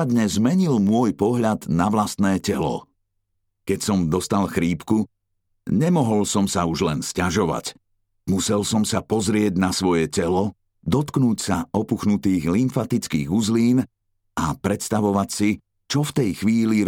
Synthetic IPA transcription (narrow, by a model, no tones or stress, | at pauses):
d̪ɲɛzmɛɲilmʊɔjpɔɦʎad̪naʋlast̪nɛːcɛlɔ̰ | kɛcsɔmd̪ɔst̪alxɾiːpku | ɲɛmɔɦɔlsɔmsauʒlɛnscaʒɔʋa̰c | musɛlsɔmsapɔzɾɪɛɟnasʋɔjɛcɛlɔ | d̪ɔt̪knuːcsaɔpuxnut̪iːɣlimfat̪it͡skḭːɣuzliːn | apɾɛt̪st̪aʋɔʋacsi | t͡ʃɔft̪ɛjxʋiːliɾ